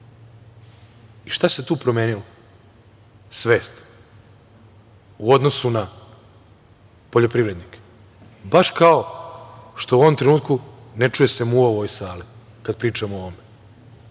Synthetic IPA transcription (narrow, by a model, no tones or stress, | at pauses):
iʃt̪ase̞t̪uːpɾo̞meːnilo | sʋe̞ːst̪ | uo̞d̪no̞suna | poʎo̞pɾiʋɾe̞d̪nike̥ | baʃkao̞ | ʃt̪ouo̞ʋomt̪ɾe̞nuːt̪̚kunet͡ʂuje̞se̞muoʋojsaːli | kad̪̚pɾiːt͡ʂamooʋome